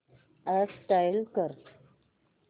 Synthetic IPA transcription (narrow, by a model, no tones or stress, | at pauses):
asʈajlkəɾ